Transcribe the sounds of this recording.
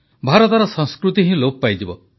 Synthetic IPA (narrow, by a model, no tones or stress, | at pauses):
bʱaɾɔt̪ɔɾɔsɔ̃ŋskɾut̪iɦĩlopɔpajd͡ʒibɔ